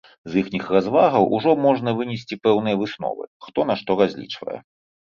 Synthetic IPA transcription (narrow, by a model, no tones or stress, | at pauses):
zixnʲixrazvaɣɐwʔuʐɔmɔʐn̪ɐvɨnʲɛsʲt͡sʲipɛwnɨjɐvɨsnɔ̰vɨ̰xt̪ɔnaʂt̪ɔɾazʲlʲḭt͡ʂvɐ̰jɛ̰